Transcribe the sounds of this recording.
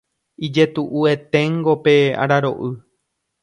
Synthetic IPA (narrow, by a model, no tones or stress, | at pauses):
id͡ʒe̞t̪uʔue̞t̪ẽ̞ŋɡo̞pea̰ɾaɾo̞̰ʔɨ